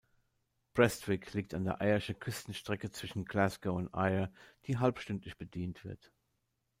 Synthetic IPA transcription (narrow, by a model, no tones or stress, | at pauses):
b̥ʁɛstv̥ɪkʰliːk̚tandeːɐʔaɪɐʃəkʰʏstn̩ʃtʁ̥ɛkət͡sv̥ɪʃn̩ɡlasɡoʊntʔa̰ɪɐd̥iːɦalpʃtʏntlɪçb̥ədiːntv̥ɪɐt